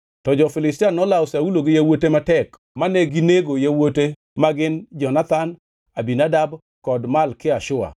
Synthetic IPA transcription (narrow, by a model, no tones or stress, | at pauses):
tɔd͡ʒɔfɪlɪstanːɔlaɔsauloɡɪjawotematɛk | manɛɡineɡojawote | maɡɪnd͡ʒɔnat̪an | abinadab | kɔdmalkɪaʃʊa̰